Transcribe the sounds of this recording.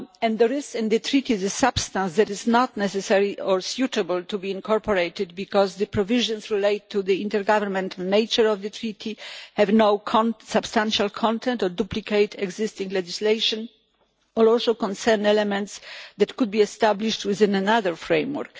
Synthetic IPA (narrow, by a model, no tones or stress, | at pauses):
ɛ̃nd̪ɛɾɪsɪ̃nd̪ɨt̪ɾit̪izɨsabst̪ãnsd̪ɛtɪznɔt̪nɛsɛsɛɹiɔɹsjut̪ɛbəlt̪ubiĩnkʰɔɹpɔɾejt̪ɪd̪bikɔzd̪ɨpɾɔvɪʒɔ̃nsɹilejt̪ʰːud̪iĩnt̪ɛɾɡavɛɾmɛ̃nt̪ʰalnejt͡ʃəɹɔvd̪ɨt̪ʰɹit̪ʰihɛvnowkʰɔ̃nsabst̪ãnʃalkʰɔ̃nt̪ʰɛ̃nt̪ɔɹduplikʰejt̪ɛɡzɪst̪ĩŋɡlɛd͡ʒislejʃɔ̃n | ɔlɔlsowkɔ̃nsɛɾnɛlɛmɛ̃nt̪sd̪ɛt̪kud̪̚biɛst̪abliʃtwɪðɪ̃nɛnaðəɹfɾẽjmwɔ̰ɾk